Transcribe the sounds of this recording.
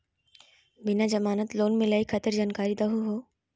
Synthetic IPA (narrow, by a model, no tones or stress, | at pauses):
bɪnad͡ʒɐmaːnət̪loːnmẽlɐixʰɐt̪əɾd͡ʒaːnkaːɾid̪ɐɦuɦoː